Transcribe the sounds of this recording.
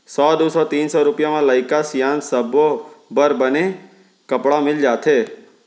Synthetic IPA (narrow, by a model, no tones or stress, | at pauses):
sɔd̪usɔt̪iːnsɔɾʊpjamãləjɪkasijansəbobəɾbəne | kəpɽamɪld͡ʒaːt̪ʰe